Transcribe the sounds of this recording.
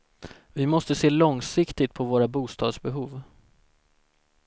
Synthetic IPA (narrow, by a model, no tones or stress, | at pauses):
vɪmɔst̪əseːlɔŋsɪkt̪ɪt̪̚pʰɔvoːɾabuːst̪ɑːd̪sbɛɦuːv